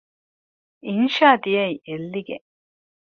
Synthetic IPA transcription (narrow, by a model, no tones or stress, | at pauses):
inʃaːd̪ijɐiʔelːiɡḛ